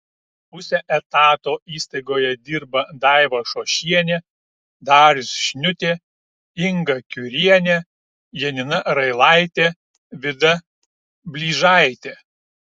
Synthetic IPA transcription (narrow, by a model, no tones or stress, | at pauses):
pʊsʲɛʔɛt̪ɑːt̪oːiːst̪ɐɪɡoːjɛd̪ʲiɾbɐd̪ɑˑɪʋɐʃoːʃʲiɛnʲɛ | d̪ɑːɾʲɪsʃʲnʲʊt̪ʲeː | ɪŋɡɐkʲʊɾʲiɛnʲe | jɛnʲɪnɐɾɐɪlˠɐˑɪt̪ʲeː | ʋʲɪd̪ɐ | bʲlʲiːʒɑˑɪt̪ʲeː